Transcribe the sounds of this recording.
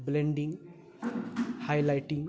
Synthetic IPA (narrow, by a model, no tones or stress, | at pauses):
blẽɳɖĩŋ | hajlajʈĩŋ